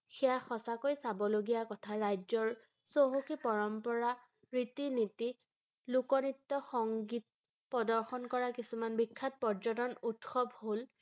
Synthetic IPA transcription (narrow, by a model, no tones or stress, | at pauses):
xɛaxɔsakojsabɔloɡijakɔtʰaɹajzɔɹ | soɦukipɔɹɔmpɔɹa | ɹitiniti | lukɔnitːɔxɔŋɡit̚ | pɔdɔɹxɔnkɔɹakisumanbikʰːat̚pɔɹd͡ʒɔtɔnutxɔbhol